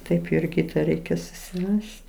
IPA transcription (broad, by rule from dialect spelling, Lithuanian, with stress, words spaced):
ˈtɐɪp ɪr ˈkʲiːtɐ ˈrʲɛɪkʲɛ sʊsʲɪˈrɐsʲtʲ